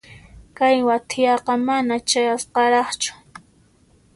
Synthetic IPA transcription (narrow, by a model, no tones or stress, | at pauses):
kajwat̪ʰɪjɑqɑmanat͡ʃajasqɑɾɑχt͡ʃʊ̥